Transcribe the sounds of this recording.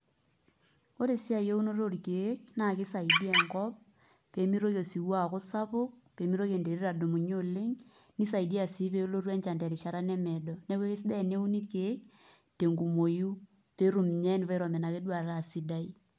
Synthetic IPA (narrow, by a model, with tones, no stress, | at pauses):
ko˦ɾe˨si˦a˨je˦u˦no˦ɾo˦ɾike˦k̚na˦˨kɪ˦sa˨i˨di˦ɛ˨ŋkɔ˦p̚ː | e˨˦mi˦ɾo˦kjo˨si˨wa˦˨ko˦sa˦pʊ˦k̚pe˨mi˦ɾo˦ke˨nde˨ɾe˦ɾa˨do˨mu˨ɲo˦le˦ŋni˦sa˨i˨di˦a˨si˦pe˦lo˦ɾwɛ˦ɲt͡ʃa˨ndɛ˨ɾi˨ʃa˨ɾa˦nɛ˦mɛ˨dɔ˨ne˦kwe˦ke˦sdɛ˦˨ne˦u˦ni˦tke˦k̚ | te˨ŋɡu˨mo˨ju˦ | pe˦ɾu˨m˨ɲɛ˦n˨pa˦ɾɔ˨mɛ˨na˨ke˦dwa˨ra˨si˦da˦i˦